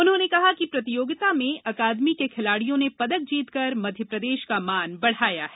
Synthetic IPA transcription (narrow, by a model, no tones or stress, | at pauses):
ʊnɦõːnekɐɦakipɾɐt̪ɪjoːɡɪt̪amẽɐkaːd̪mikekʰɪlaːɽijõnepɐd̪ək̚d͡ʒiːt̪kɐɾmɐd̪ʱjəpɾɐd̪eːʃkamaːnbɐɽ̤aːja̰ɦɛː